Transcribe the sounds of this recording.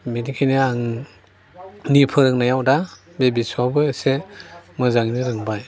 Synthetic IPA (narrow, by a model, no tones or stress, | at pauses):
minikʰajneaŋ | nipʰɯɾɯŋnajawda | bebisuawbɯsemɯzaŋniɾɯŋbaj